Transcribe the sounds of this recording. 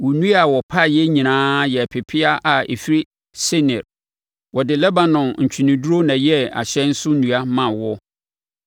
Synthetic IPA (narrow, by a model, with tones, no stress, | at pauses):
wʊ˨nũ˦a˨wɔ˨pʰa˦˨jɛ˦ɲĩ˨nãː˦jɛ˨pʰɪ˨pʰɪ˦a˦ʔa˨ḛ˨fi˦ɾi˦ | sɛ˦nɛ˨ɾ | wɔ˨dɪ˨lɛ˦ba˨nɔ̃˨nɲ̩˨t͡ɕᶣʰi˨nĩ˨du˦ɾo˦nã˨jɛ˦a̰˨ɕɛ̃˦n̩˦sʊ˦nũ˨a˦mã˨wɔ˦